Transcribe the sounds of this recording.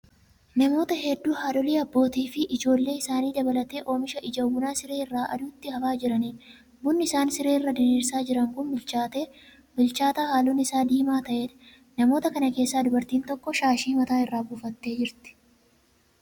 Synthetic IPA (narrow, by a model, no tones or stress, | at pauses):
nɐmo̞ːt̪ɐɦɛd̪ːuːhaːᶑɔliːɐbːo̞ːt̪iːfɪʔɪd͡ʒo̞ːlːe̞ːɪsaːniːd̪ɐbɐlɐt̪e̞ːʔo̞ːmɪʃɐʔɪd͡ʒɐwʊnaːsɪɾe̞ːɪrːaːʔɐ̰d̪uːt̪ːɪhɐfaːd͡ʒɪɾɐniːn | bʊnːɪɪsaːnsɪɾeːɪrːad̪ɪɾiːɾsaːd͡ʒɪɾɐŋkʊnbɪlt͡ʃaːt̪eː | mɪlt͡ʃaːt̪aːhaːlunɪɪsaːd̪iːmaːt̪ɐʔeːᶑɐ̥ | nɐmo̞ːt̪ɐkɐnɐke̞ːsːaːd̪ʊbɐɾt̪iːnt̪ɔkːɔʃaːʃiːmɐt̪aːɪrːaːbʊfɐt̪ːe̞ːd͡ʒɪɾt̪ɪ̥